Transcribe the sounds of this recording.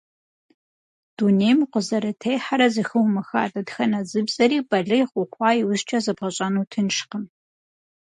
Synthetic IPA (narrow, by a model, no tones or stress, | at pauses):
d̥unejmqʷəzɐɾɨtʰejħaɾɐzɨxɨwmɐxa̰ːdʼɐdxɐnɐzɨbzʼɐɾiːbɐɮɨjχʷʊχʷɑːjɪwʊzt͡ʃʼɐzɐbʁɐɕʼɐnuːtʰɨnʃqəm